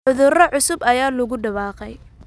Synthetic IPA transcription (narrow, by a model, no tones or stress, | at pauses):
ʕʊðʊrɔʕʊsʊbɐjaːlʊɣʊɖɐβɑːqɛj